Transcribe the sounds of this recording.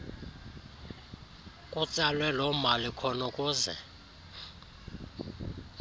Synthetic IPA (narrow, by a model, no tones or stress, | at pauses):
kʼut͡sʼalwɛlɔmalikʰɔnɔkʼuːzɛ̰